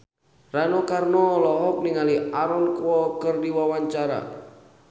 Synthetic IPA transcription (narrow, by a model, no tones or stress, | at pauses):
ranokarnɔlɔɦɔk̚niŋaliaɾɔnkwɔkərdiwawaɲt͡ʃaɾa̰